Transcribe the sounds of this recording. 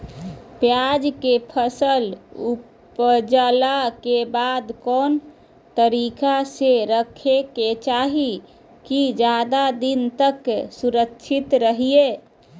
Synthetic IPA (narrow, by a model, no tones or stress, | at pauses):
pjad͡ʒkepʰəsəlu | pd͡ʒəlakebad̪kɔn | t̪əɾikaseɾəkʰeket͡ʃaɦi | kid͡ʒad̪ad̪int̪əksuɾəkʃʰit̪ɾəɦie